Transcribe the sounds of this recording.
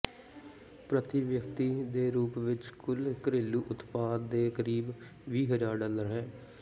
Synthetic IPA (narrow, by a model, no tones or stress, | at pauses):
pɾət̪ɪʋjəkt̪iːd̪eːɾuːpʋɪt͡ʃkʰʊlkəɾeːlːuːʔʊt̪paːd̪ːeːkəɾiːb | ʋiːɦəd͡ʒaːɾɖaːləɾɦɛː